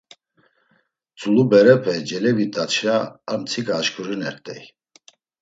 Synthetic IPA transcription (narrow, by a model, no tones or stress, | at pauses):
t͡sʼulubɛɾɛpʰɛd͡ʒɛlɛvit̪ʼat͡ʃʰaːmt͡sʰikʼaːʃkʰʼuɾinɛɾt̪ʼɛ̰j